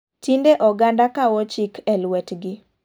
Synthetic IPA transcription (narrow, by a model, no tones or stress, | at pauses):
tindeʔɔɡandakawɔt͡ʃikʰɛlwɛtɡɪ